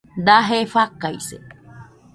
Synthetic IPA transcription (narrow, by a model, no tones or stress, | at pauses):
d̪aɦefakajsḛ